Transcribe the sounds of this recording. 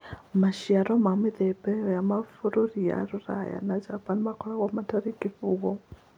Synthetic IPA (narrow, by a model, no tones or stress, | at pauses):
maʃjaɾɔmameðɛbɛjɔjamafoɾoɾija̰ɾuɾa̰ja̰nad͡ʒapanmakɔɾaɣamataɾekifuɣɔ